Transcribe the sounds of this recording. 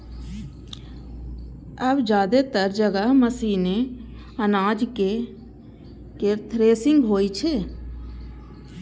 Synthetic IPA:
əbd͡ʒaːd̪et̪əɾd͡ʒəɡəɦməsiːne | ənaːd͡ʒke | ket̪ʰɾeːsɪ̃ŋɡɦoːit͡ʃʰeː

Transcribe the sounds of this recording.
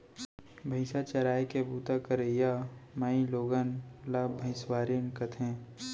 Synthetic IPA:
bʱəɪsat͡ʃɐɾaːjkebuːt̪akəɾejamaːĩloːɡənlaːbʱɐ̃ɪ̃swaːɾinkət̪ʰɦẽː

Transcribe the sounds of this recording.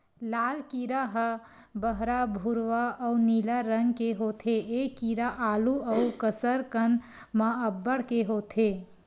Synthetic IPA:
laːlkiɾaɦə | bəɦɾabʱuɾʋaɐunilaɾəŋɡkeɦoːt̪ʰeeːkiːɾaʔaːluəukəsəɾkən | maəbːəɽkeɦoːt̪ʰe

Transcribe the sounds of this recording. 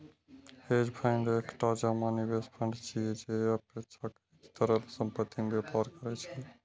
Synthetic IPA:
ed͡ʒpʰəɪɳɖekʈad͡ʒamanibespʰə̃ɳɖt͡ʃʰied͡ʒeəpesak | t̪əɾəlsəmpət̪ʰːimbepaɾkəɾɛt͡ʃʰɛ

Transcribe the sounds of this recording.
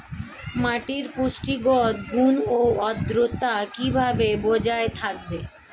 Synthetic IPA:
maʈiɾpuʃʈiɡɔt̪ɡunoɔd̪ɾot̪akibʱabebod͡ʑaet̪ʰak̚be

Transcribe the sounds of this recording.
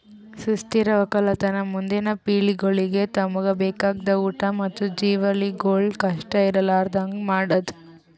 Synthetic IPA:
sust̪iɾɐʋɐkɐlɐt̪ɐnɐmund̪inɐpiːɭiɡoɭiɡe̞t̪ɐmuɡɐbeːkaːɡd̪ɐuːʈɐmɐt̪ːud͡ʒiːʋɐliɡoːɭkɐʂʈɐiɾɐlaːɾd̪aːŋɡmaːɽɐd̪u

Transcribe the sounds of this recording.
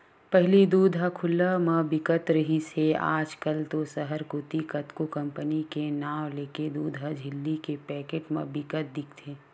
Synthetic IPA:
pɛɦlid̪uːd̪ʱakʰʊlːamɐbɪkət̪ɾɐɦisea̰ːd͡ʒkəlt̪osəɦəɾkʊt̪ikət̪kokɐ̃mpənikenaːwleːked̪uːd̪ʱɦad͡ʒʱɪlːikepɛːkeːʈmɐ̰̃bɪkət̪̚d̪ɪkʰt̪ʰeː

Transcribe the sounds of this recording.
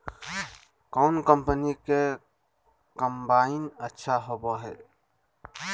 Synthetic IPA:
kɔʊnkəmpənike | kəmbainətːʃʰaɦobɔɦɛ

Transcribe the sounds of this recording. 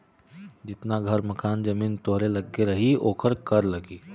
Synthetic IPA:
d͡ʒɪt̪naɡʱɐɾmɐkaːnd͡ʒɐmiːnt̪oɦɾelɐɡːeɾɐɦioːkəɾkɐɾlɐɡiː

